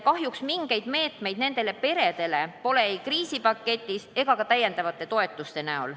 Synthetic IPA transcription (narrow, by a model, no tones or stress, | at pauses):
kɑɦjuksmiŋɡ̥e̞jd̪me̞ːt̪me̞jd̪ne̞nd̪̥e̞lepe̞ɾe̞d̪̥e̞le̞po̞le̞ejkriːsipɑkːˑe̞t̪ʲːˑise̞ɡ̥ɑkɑt̪æje̞nd̪ɑvɑt̪ːˑe̞t̪o̞e̞t̪ːˑust̪e̞næo̰l